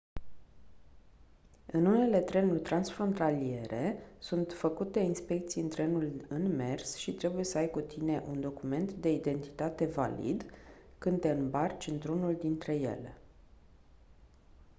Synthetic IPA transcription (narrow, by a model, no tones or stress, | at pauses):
ɨnune̞le̞t̪ɾe̞nurʲt̪ɾansfɾo̞nt̪alie̞ɾe̞sunt̪fəkut̪e̞inspe̞k̚t̪sijɨnt̪ɾe̞nulɨnme̞rsʃit̪ɾe̞buje̞səajkut̪ine̞ʔund̪o̞kume̞nt̪d̪e̞id̪e̞nt̪i̥t̪at̪e̞va̰lḭd̪kɨnt̪e̞ɨnbart͡ʃɨnt̪ɾunuld̪int̪ɾe̞je̞̰le